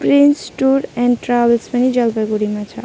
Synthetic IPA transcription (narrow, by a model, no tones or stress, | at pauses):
pɾinsʈuɾɛ̃ɳɖʈɾabəlspʌnid͡ʒʌlbaɡuɾimat͡sʰʌ̰